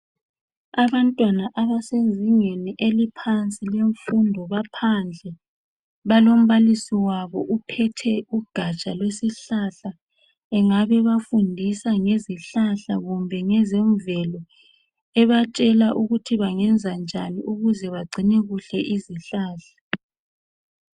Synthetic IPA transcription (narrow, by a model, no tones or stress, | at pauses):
aβantʼwanaʔaβasenzʱiŋeniʔelipʰant͡sʼileɱfundʱɔβapʰand͡ɮʱɛ | βalom̩βalisiwaβɔʔupʰɛtʰɛuɡ̥ʱat͡ʃʼalwesiɬaɬa | ɛŋaβɛβafundʱisaŋeziɬaɬaɣumbʱɛŋɛzeɱvɛlɔ | ɛβat͡ʃʼɛlaʔuɣutʰiβaŋɛnd͡zʱand͡ʒʱanḭʔuɣuzɛβaɡ͡ǀʱineɣuɬɛʔiziɬaːɬa